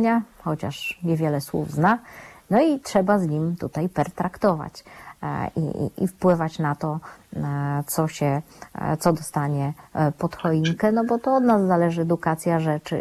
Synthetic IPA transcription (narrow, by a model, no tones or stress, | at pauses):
ɲaxɔt͡ɕa̰ʂɲɛvʲjɛlɛswṵvznanɔitʂɛbazɲimt̪ut̪ajpɛɾt̪ɾakt̪ɔva̰t͡ɕ | ḭḭfpwɘvat͡ɕnat̪ɔ | t̪sɔɕɛt̪sɔd̪ɔst̪aɲɛpɔt̪xɔiŋkɛnɔbɔt̪ɔɔd̪nazːalɛʐɘɛd̪ukat̪sʲjaʐɛt͡ʂɘ̰